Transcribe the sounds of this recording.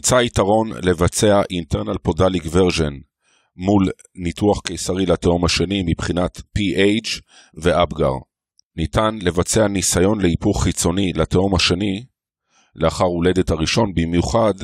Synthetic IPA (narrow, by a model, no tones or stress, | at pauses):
imt͡saitaʁo̞nle̞vat͡se̞aʔinteʁnalpodalikveʁʒen | mul | nituaχkejsaʁilateomhaʃe̞nimipχinat̪piʔejt͡ʃ | veʔabɡa̰ʁ | nitanle̞vat͡se̞anisajo̞nle̞ipuʁχit͡so̞nilateomhaʃeni | leaχaʁule̞de̞thaʁiʃo̞nbimjuχad